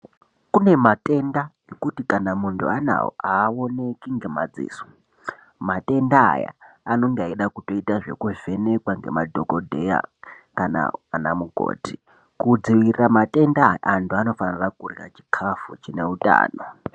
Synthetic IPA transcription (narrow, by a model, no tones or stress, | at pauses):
kune̞matʼe̞nda | ekutikanamuntʰṵana̰wo̰ʔaːwo̞ne̞kiŋɡe̞mad͡zḭːso̥ | matʼe̞nda̰ːja̰ano̞ŋɡeaiɗakuto̞itaʐe̞̰kuve̞ne̞kwaŋɡe̞̰madʱo̞ko̞dʱe̞ja̰ | kana̰namuɡʱo̰ːti | kud͡ziʋirramatʼe̞ndajantʰuano̞fanirakurira̰t͡ʃi̥kʰafut͡ʃine̞utʼa̰ːno̞